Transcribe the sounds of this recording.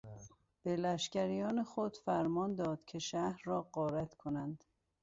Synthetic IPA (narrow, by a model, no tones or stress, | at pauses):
b̥e̞læʃcæɾijɒːnexod̪̥fæɾmɒːnd̪ɒːd̪̥cʰe̞ʃæhɾːɒːɢɒːɾæt̪ʰkʰo̞nænd̪̥